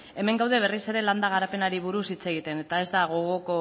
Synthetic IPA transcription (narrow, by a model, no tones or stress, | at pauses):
e̞me̞ŋɡawð̞eβ̞e̞rise̞ɾe̞land̪aɣ̞aɾape̞naɾiβ̞uɾusit͡se̞ɣ̞it̪e̞ne̞t̪ae̞zd̪aɣo̞ɣoko